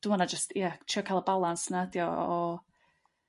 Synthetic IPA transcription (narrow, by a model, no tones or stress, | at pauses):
d̥unɔnad͡ʒəstʰjatʰiɔkʰalˠəbalˠansnadjɔɔ